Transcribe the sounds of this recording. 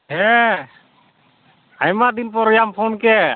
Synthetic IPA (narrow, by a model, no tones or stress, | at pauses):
ɦɛ | ajmad̪inpɔɾɔjampʰɔnkɛ